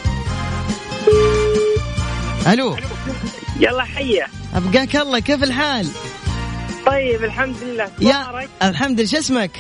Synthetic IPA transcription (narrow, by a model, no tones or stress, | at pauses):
ʔaluː | jɑlˤːɑħajːa | ʔa̰bɡaːkɑlˤːɑkeːfɪlħaːl | t̪ˤɑjːɪbalħamd̪lɪlːaːsjɑaɾˤɑkʔalħamd̪ɪlʃ̬ɪsmak